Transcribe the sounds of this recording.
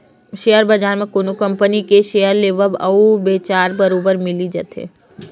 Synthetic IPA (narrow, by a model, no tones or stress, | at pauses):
ʃejəɾbɐd͡ʒaːɾmẽkoːnokɐ̃mpənikeʃejəɾleːʋəbɐubeːt͡ʃaːɾbɐɾoːbəɾmɪlid͡ʒɐt̪ɦḛː